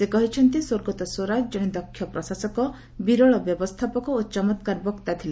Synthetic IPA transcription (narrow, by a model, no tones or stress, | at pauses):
sekɔɦit͡ʃʰɔnt̪isoɾɡɔt̪ɔsoɾad͡ʒd͡ʒɔɽ̃ed̪ɔkʰːjɔpɾɔsasɔkɔ | biɾɔɭɔbjɔbɔst̪ʰapɔkɔot͡ʃɔmɔt̪kaɾbɔkt̪at̪ʰile